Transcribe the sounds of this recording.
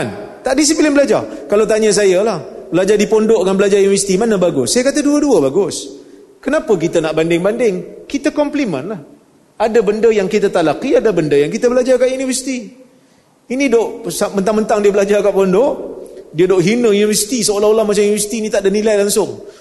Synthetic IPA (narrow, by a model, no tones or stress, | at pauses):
ant̪aʔdis̬iplɪnbəlad͡ʒarkalawt̪aɲəs̬ajalahbəlad͡ʒadipɔndɔʔŋanbəlad͡ʒajunivəsi̥t̪imanəbaɡʊsːajakat̪aduəduəbaɡʊs | kənapək̬it̪ənaʔbandɪŋbandɪŋkit̪akɔmplimə̰̃nlah | adabəndəjaŋkit̪at̪aʔlakiadabəndəjaŋkit̪əbəlad͡ʒakaʔjunivəsi̥t̪i | inidoʔsamənt̪aŋmənt̪aŋdiəbəlad͡ʒarkaʔpɔndɔʔdiədoʔɦinəjunivəsi̥t̪isəolaolahmat͡ʃamjunivəsi̥t̪iːnit̪aʔdənilajlaŋsʊŋ